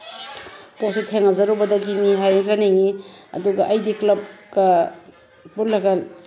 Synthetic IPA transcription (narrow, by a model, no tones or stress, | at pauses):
positʰeŋɐzɐɾubɐdɐɡiniɦajoŋzaniŋiɐ̰duɡɐʔɐjdiklɐp̚ɡɐ | bulaɡal